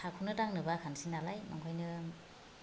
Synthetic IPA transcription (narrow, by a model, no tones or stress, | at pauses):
akʰunɯtaŋnɯbakʰansinalajma̰ŋkʰɔjnɯ